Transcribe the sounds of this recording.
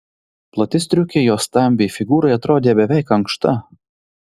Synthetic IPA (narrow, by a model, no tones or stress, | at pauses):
plˠɐt̪ʲɪst̪ʲɾʲʊkʲejoːst̪ɐmʲbʲefʲɪɡuːɾoɪɐt̪ɾoːd̪ʲeːbʲɛʋʲɛˑɪkɐŋkʃt̪ɐ